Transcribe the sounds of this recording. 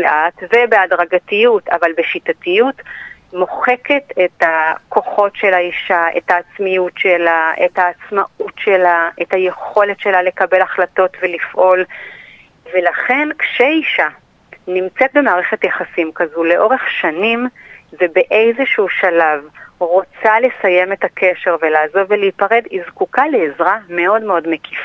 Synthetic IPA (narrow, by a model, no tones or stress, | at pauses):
leʔatvebe̞adʁaɡatijutavalbeʃitatijut | mo̞χe̞ke̞tetako̞χo̞tʃe̞laiʃaʔe̞̰taːt͡smijutʃelaʔethaːt͡smaʔutʃelaʔetaje̞χo̞letʃe̞lale̞kabe̞laχlato̞tvelifʔo̞l | ve̞laχe̞nkʃeiʃa | nimt͡set̚be̞maːʁeχetjaχasimkazule̞ʔo̞ʁe̞χʃanimvebeʔejzeʃuuʃalavʁot͡sale̞saje̞me̞takʰe̞ʃe̞ʁvelaːzo̞vveleipaʁe̞dizkukaleːzʁame̞o̞dmeo̞dmekʰifa